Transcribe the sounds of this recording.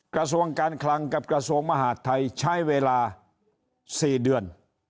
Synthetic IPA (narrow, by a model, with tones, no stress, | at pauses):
kɾa˧su˧˥əŋkaː˧nkʰla˧ŋka˧˩p̚kɾa˧su˧əŋma˧ɦaː˨˦t̪ʰːa˧jt͡ɕʰa˥˩jweː˧laː˧ | siː˨˩dɯ˨˧˩ən